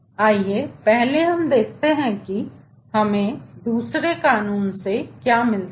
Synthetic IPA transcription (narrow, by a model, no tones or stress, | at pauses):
aːiepɛɦleɦɐmd̪eːk̚ʰt̪eɦɛ̃ki | hɐmẽd̪uːsɾekaːnuːnsekjaːmɪl